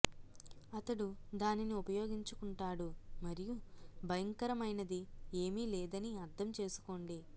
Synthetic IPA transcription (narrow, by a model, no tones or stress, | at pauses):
ɐt̪ɐɽud̪aːniniupɐjo̞ːɡiɲt͡ʃukuɳʈaːɽumɐɾijubʱɐjɐŋkɐɾɐmɐjnɐd̪ie̞ːmiːlɛːd̪ɐniɐɾd̪ʰʱɐmt͡ʃe̞ːsu̥ko̞ːɳɖi